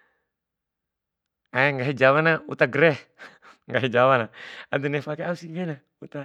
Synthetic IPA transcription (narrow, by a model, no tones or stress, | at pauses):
aɛŋɡaɦid͡ʒawanaṵt̪aɡɾɛh | ŋɡaɦɛd͡ʒawanaad̪unɛfakɛausiŋɡɛna | ut̪a